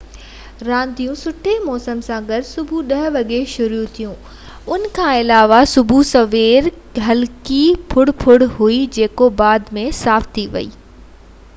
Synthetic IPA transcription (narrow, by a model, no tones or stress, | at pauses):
ɾãːnd̪ijũsʊʈʰemɔːsəmsãɡɐɾsʊbʱuɗɐɦʋɐɠeʃʊɾjut̪ʰijũ | ʊn̆kʰãːɪlaːʋasʊbʱusɐʋeːɾ | ɦɐlkipʰʊɽpʰʊɽɦuid͡ʑeːkobaːd̪mẽsaːft̪ʰiʋɐ̰ḭː